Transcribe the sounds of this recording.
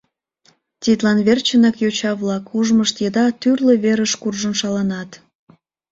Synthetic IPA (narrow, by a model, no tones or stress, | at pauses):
t̪ʲit̪lɑnβert͡ɕənɑkjot͡ɕɑβlɑkʰuʒməʃt̪jəd̪ɑt̪yrleβeɾəʃkurʒənʃɑlɑnɑt̪